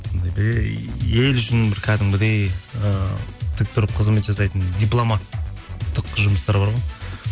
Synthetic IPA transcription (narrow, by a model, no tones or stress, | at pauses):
nd̪d̪ɑjbɪɾeje̞lʏʃɪnbɪɾkʲʰæd̪ɪŋɡɪd̪e̞jət̪ʰɪk̚t̪ʰʏɾɪp̚qʰəzme̞t̪ʒɑs̬ɑjt̪ənd̪ijplˠo̞mɑt̪ːəqʒʊməst̪ɑɾbɑɾʁoj